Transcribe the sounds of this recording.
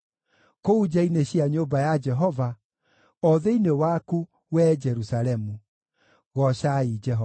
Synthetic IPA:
koud͡ʒaineɕiaɲombajad͡ʒɛɦɔva | ɔðeinewaku | wɛd͡ʒɛɾusaɾɛmu | ɣɔʃaid͡ʒɛɦɔ

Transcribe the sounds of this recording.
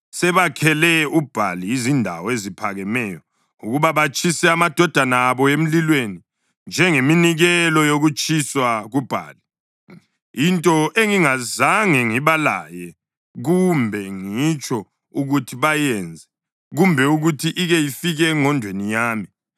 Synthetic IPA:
sɛβakʰɛlɛub̥ʱaliːzindʱa̰wɔezipʰaɣɛmɛːjɔ | uɣuβaβat͡ʃʼisɛamad̥ʱɔd̥ʱanaːβɔem̩lilweni | nd͡ʒʱɛŋeminiɣɛlɔjoɣut͡ʃʼiswaɣub̥ʱa̰ːli | intʼɔʔeŋiŋazaŋɛŋiβala̰jɛ | ɣumbʱɛŋit͡ʃʼɔ | uɣutʰiβajɛnd͡zʱɛ | ɣumbʱɛuɣutʰiʔiɣɛjifiɣɛŋɔndʱwenijaːmi

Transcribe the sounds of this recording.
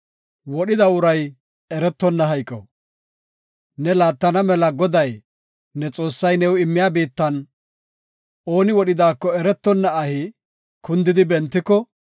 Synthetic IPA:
wɔɗɪd̪ɐʊɾɐj | ɛɾɛt̪ːɔnːɐɦɐjkʼːɔ̰ | nɛlaːt̪ːɐnɐmɛlɐɡɔd̪ɐj | nɛt͡sʼo̞ːsːɐjnɛwɪmːɪjaːbiːt̪ːɐn | o̞ːnɪwɔɗɪd̪aːkːɔɛɾɛt̪ːɔnːɐːhɪ | kʊnd̪ɪd̪ɪbɛnt̪ːɪkːɔ

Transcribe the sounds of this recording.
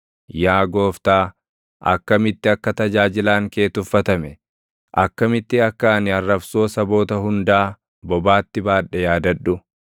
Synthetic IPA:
jaːɡo̞ːft̪aː | ʔɐ̰kːɐmɪt̪ːɪɐkːɐt̪ɐd͡ʒaːd͡ʒɪlaːŋke̞ːt̪ʊfːɐt̪ɐmɛ | ʔɐkːɐmɪt̪ːɪɐkːanɪɐrːɐbso̞ːsɐbo̞ːt̪ɐɦʊnd̪aː | bɔbaːt̪ːɪbaːᶑɛjaːd̪ɐᶑʊ

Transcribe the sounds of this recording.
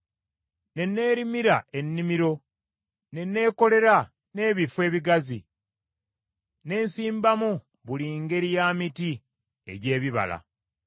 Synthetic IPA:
ne̞nːe̞ːɾimiɾae̞nːimiɾo̞ | ne̞nːe̞ːko̞le̞ɾa | ne̞ːβifwe̞ːβiɡazi | ne̞ːnsiːmbamu | βuliŋɡe̞ɾijaːmiti | e̞̰ɟe̞ːβiβa̰la̰

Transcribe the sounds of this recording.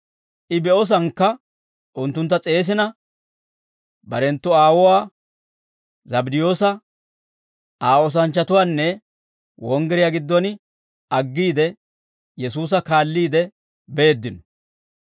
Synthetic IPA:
ʔɪbɛɔs̬ɐŋkːɐ | ʔʊnt̪ːʊnt̪ːɐt͡sʼe̞ːs̬ɪnɐ | bɐɾɛnt̪ːʊaːwɔwaː | zɐbd̪ɪjo̞ːsɐ | aːɔs̬ɐnt͡ʃːɐt̪ʊwaːnːɛ | wɔŋɡɛɾɪjaɡɪd̪ːɔnɪ | ɐɡːiːd̪ɛ | jɛsuːs̬ɐkaːlːiːd̪ɛ | be̞ːd̪ːɪnɔ̥

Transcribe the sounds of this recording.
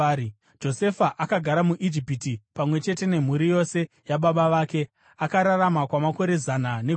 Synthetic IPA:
d͡ʒo̞se̞faʔakaɡʱaɾamuʔid͡ʒipitipamwe̞t͡ʃe̞te̞ne̞m̤uɾijo̞se̞ | jaɓaɓaʋaːke̞ | akaɾaramakwamako̞ɾe̞zanane

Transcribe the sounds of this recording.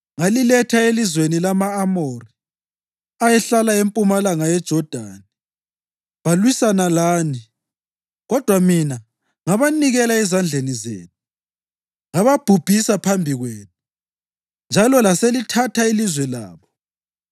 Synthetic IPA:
ŋalilɛtʰaelizwenilamaːmori | ajɛɬalaempʼumalaŋajɛd̥ʒ̥ʱɔd̥ʱa̰ːni | βalwisanalaːni | ɣɔd̥ʱwamina | ŋaβaniɣɛlaɛzand͡ɮʱenizḛːnʰu | ŋaβab̥ʱub̥ʱisapʰambʱiɣweːnu | nd͡ʒʱalɔlaselitʰatʰailizwɛla̰ːβɔ

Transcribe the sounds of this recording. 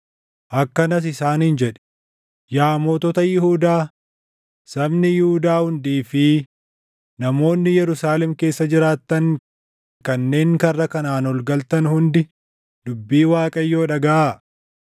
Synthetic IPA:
ʔɐkːɐnɐs̬ɪsaːnhɪnd͡ʒɛᶑɛ̥ | jaːmoːt̪ɔt̪ɐjɪɦuːd̪aː | sɐbnɪjɪhuːd̪aːhʊnd̪iːfɪ | nɐmo̞ːnːɪjɛɾʊsaːlɛmke̞ːsːɐd͡ʒɪɾaːt̪ːɐŋ | kɐnːe̞ːŋkɐrːɐkɐnaːnɔlɡɐlt̪ɐnhʊnd̪ɪ | d̪ʊbːiːwaːkʼɐjːo̞ːᶑɐɡɐʔaː

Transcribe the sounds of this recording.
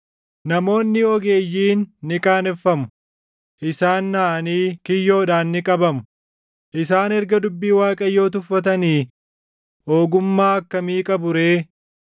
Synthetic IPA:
nɐmo̞ːnːɪɔɡe̞ːjːiːnːɪkʼaːnɛfːɐmʊ̥ | ʔɪsaːnːaːʔɐniːkɪjːo̞ːᶑaːnːɪkʼɐbɐmʊ̥ | ʔɪs̬aːnɛɾɡɐd̪ʊbːiːwaːkʼɐjːo̞ːt̪ʊfːɐt̪ɐniː | o̞ːɡʊmːaːɐkːɐmiːkʼɐbʊɾe̞ː

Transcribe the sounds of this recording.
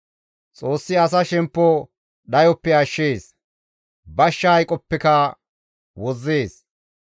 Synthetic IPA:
t͡sʼo̞ːsːɪɐs̬ɐʃɛmpːɔ | ɗɐjɔpːɛɐʃːeːs | bɐʃːɐjkʼɔpːɛkɐ | wɔzːe̞ːs

